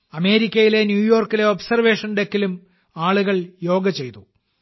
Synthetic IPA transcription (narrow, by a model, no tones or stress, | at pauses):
ɐme̞ːɾikʲːɐjile̞njuːjo̞ːrkːile̞obsɐrʋe̞ːʂɐnɖekːilum | aːɭuɣɐɭjo̞ːɡɐt͡ɕe̞jt̪u